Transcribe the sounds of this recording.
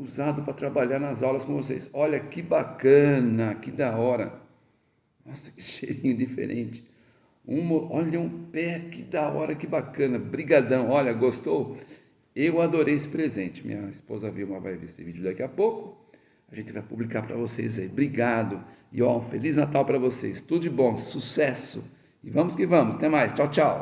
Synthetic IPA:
uzad̪ʊpɾɐt̪ɾabaʎaɾnɐzawlɐskõvosḛjsɔʎɐkɪbakɐ̃nɐakid̪aɔɾɐ̰ | asʃeɾĩɲʊd͡ʒ̪ifḛɾʔḛ̃t͡ʃɪ̥ | ũmɐʔɔʎɐũpɛakɪd̪aɔ̰ɾɐkɪbakɐ̃nɐbɾiɡad̪ɐ̃w̃ɔʎɐɡost̪ow | ewad̪oɾejesɪ̥pɾezẽt͡ʃɪmḭ̃ɲɐispozɐviwmɐva̰jvḛesɪvid͡ʒʊd̪akiɐpowkʊ | aʒẽnt͡ʃɪvajpublikaɾpɾɐ̰vosḛjzaibɾiɡad̪ʊɪɔ̃feliznat̪awpɾɐvosḛst̪ud̪ʊd͡ʒɪbõsusɛsʊ̰ | ɪvɐ̃mʊskɪvɐ̃mʊst̪ẽmajst͡ʃawt͡ʃaw

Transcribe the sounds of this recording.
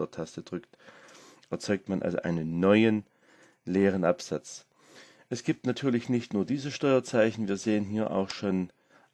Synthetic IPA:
ɐtʰastəd̥ʁʏkt | ʔɛɐt͡sɔʏk̚tmanʔa̰lzo̰ʔa̰ɪnənːɔʏən | leːʁ̞ənʔapz̥at͡s | ʔɛsɡ̥iːp̚tnatʰyːɐlɪçnɪçtnuːɐdiːzəʃtɔʏɐt͡saɪçn̩viːɐzeːənɦiːɐʔa̰ʊxʃoːn

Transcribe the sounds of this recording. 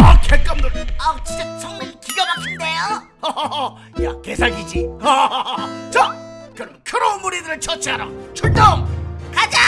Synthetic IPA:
ʌkʰeɭk͈ʌnmuɾat͡ɕid͡ʑat͡ɕʌŋmaikiɡjʌɡakʰinde̞jo | jakesʰaɡid͡ʑiʌ | t͡ɕʌmkɯɾʌmkʰɯɾounmuɾidɯɾɯɭt͡ɕʰʌt͡ɕʰiɦaɾa̰t͡ɕʰuɭtʌmkad͡ʑa

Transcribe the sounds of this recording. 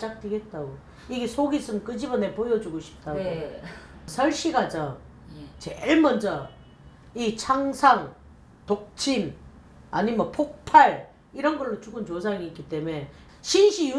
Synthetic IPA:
t͡ɕ͈ak̚tweɡe̞t̚t͈aɡo | iɡe̞sʰoɡis͈ɯmkɯd͡ʑibʌne̞pojʌd͡ʑuɡoɕʰi̥p̚t͈aɡo | sʰʌɭɕ͈iɡad͡ʑa | t͡ɕeɭmʌnd͡ʑʌ | it͡ɕʰaŋsʰaŋ | tok̚t͡ɕʰin | aɲimʌpʰok̚pʰaɭ | iɾʌnɡʌɭːot͡ɕuɡɯnt͡ɕos̬ʰaŋiːk͈it͈e̞me̞ | ɕʰinɕʰiju

